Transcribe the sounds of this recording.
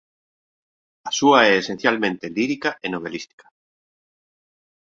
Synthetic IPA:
asuaɛːsen̟θjalmẽnt̪eliɾikaʔenoβ̞elist̪i̥kḁ

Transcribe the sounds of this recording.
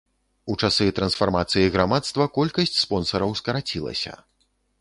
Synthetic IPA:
ut͡ʂasɨt̪ɾɐnsfarmat̪sɨjiɣɾamat̪st̪vɐkɔlʲkɐsʲt͡sʲspɔnsɐɾɐwskɐɾat͡sʲilˠɐ̰sʲɐ̰

